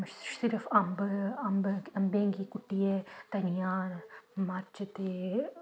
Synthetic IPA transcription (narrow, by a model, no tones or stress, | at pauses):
mʃʃsɪɾəfɐmbɐmbɐmbẽːŋɡikʊʈːiet̪ɐnijaːɾmaːɾt͡ʃɐt̪e